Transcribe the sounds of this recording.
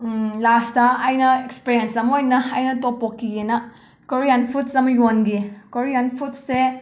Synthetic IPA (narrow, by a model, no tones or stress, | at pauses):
lastɐːjnɐekspiɾijensɐmojnɐɐjnɐtopokːijenɐ | koɾijanpʰutsɐmɐjonɡikoɾijanpʰut̚se